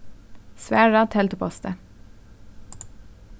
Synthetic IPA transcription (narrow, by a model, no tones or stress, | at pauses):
sʋæːɹɑt̪ʰɛlt̪upʰɔst̪ə